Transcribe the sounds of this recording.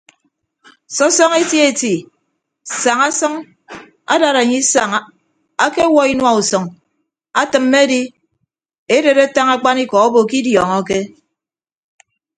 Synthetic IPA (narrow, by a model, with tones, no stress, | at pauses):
sɔ˦sɔ˦ŋe˦tje˦˨ti˨ | sa˨ŋa˦sɔ˦ŋ | a̰˦da˨ɾa˨ɲi˦sa˨ŋ˨ | a˦ke˦wɔ˦i˦nwa˦u˨sɔ˨ŋ | a˦tɨ˨mːe˦a˦di˦ | e˦de˨ɾe˦ta˦ŋa˦k͡pa˦ni˦kɔ˨ɔ˦bo˨ki˦djɔ˨ŋɔ˦ke˦